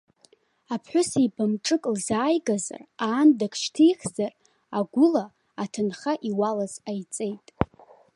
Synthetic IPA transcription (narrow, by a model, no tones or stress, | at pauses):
apʰħʷʊsibamʈ͡ʂʼɨkʼlzaːjɡaza̰raːndakʰʃtʰijχʲz̥ar | aɡʷʊlaː | tʰɨnχaʔiwalazajt͡sʼe̞jtʼ